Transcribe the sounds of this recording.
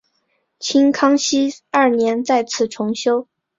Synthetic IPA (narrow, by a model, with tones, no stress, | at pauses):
t͡ɕʰi˥ŋkʰɑ˥ŋɕi˥ɐ˞˥˩njɛ˧˥nt͡sa˥˧ɪt͡sʰɹ̩˥˩ʈ͡ʂʰʊ˧˥ŋɕjo˥ʊ